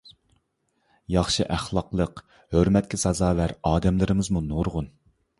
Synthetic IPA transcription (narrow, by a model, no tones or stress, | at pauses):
jɑχʃɨʔæχlˠɑqlˠəq | høɾmɛt̪kʲʰɛsɑzɑːvæɾɑːd̪ɛmlɪɾɪmɪzmunoɾʁʊn